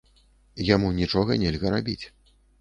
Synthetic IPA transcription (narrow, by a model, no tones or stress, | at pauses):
jamunʲit͡ʂɔɣɐnʲɛlʲɣɐɾabʲit͡sʲ